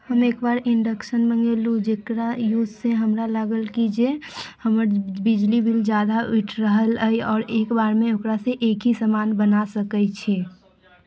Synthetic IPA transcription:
həmeːkbaːɾɪɳɖəkʃənmə̃ŋɡelud͡ʒeːkɾajuːzseɦəmɾalaːɡəlkid͡ʒehəməɾbɪd͡ʒlibʱild͡ʒaːd̪aʊʈʰɾəɦələiɔːɾeːkbaːɾmẽʊkɾaseʔeːkɦisəmaːnbənasəkət͡ʃʰeː

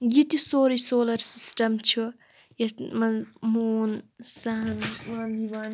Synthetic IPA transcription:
jit̪isoːɾisoːlɐɾsisʈɐmt͡ʃʰu | jɐmɐmuːnsɐɦnʋaniʋan

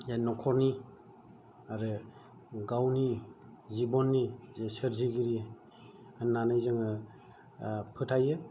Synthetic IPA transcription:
janɔkʰɔɾni | aɾɯ | ɡawni | zibɔnːizesɯɾziɡiɾi | anːanɯjzɯŋɯ | pʰɯtʰajɯ

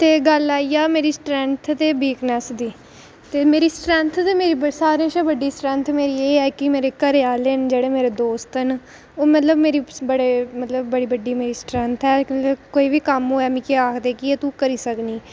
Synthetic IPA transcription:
t̪eːɡəlaːiːaːmeːɾiːsʈɾɛ̃nt̪ʰt̪eːbiːknɛsd̪iː | t̪eːmeːɾiːsʈɾɛ̃nt̪ʰt̪eːmeːɾiːbəsaːɾẽːʃãːbəɖːiːsʈɾɛ̃nt̪ʰmeːɾiːeːɛːkɪmeːɾeːkəɾejaːleːnd͡ʒeːɽeːmeːɾeːd̪oːst̪ɛn | oːmət̪ləbmeːɾiːbəɽeːmət̪ləbːəɽiːbəɖiːmeːɾiːsʈɾɛ̃nt̪ʰɛːkoːiːʋiːkəmɦoːɛːmĩːkeaːkʰd̪eːkɪeːt̪ũːkəɾiːsəkniː

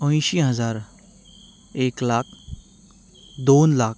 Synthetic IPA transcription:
ə̃j̃ɕiɦəd͡zaɾ | eklakʰ | d̪onlak̚

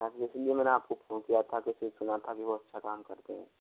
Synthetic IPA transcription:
t̪aːkiɪsliemɛ̃ːneaːp̚kopʰoːnkijat̪ʰakiʊsesʊnat̪ʰakiʋoːɐtːʃʰakaːmkɐɾt̪eɦɛ̰̃ː

